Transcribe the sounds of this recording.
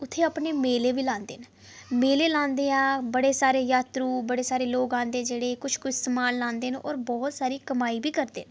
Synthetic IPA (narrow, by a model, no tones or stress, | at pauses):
ʊt̪ʰːeːaːpɳeːmeːleːʋiːlãːnd̪ḛːn | meːleːlãːnd̪eːãːbəɽeːsaːɾeːjaːt̪ɾuːbəɽeːsaːɾeːloːkãːnd̪eːd͡ʒeːɽeːkʊt͡ʃʰkʊt͡ʃstːmaːlːãːnd̪eːnɔ̰ːɾbɔːt̪saːɾiːkəmaːiːbʱiːkəɾd̪ḛːn